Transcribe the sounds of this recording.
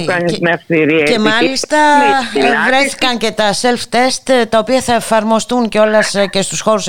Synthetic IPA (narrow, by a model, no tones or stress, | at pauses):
kɐɲimeɐfθiɾiɐce̞mɐlist̪ɐ | vɾeθi̥kɐnce̞t̪ɐse̞lft̪e̞st̪t̪ɐo̞piɐθɐefɐɾmo̞st̪unceo̞lɐsce̞st̪usxo̞ɾus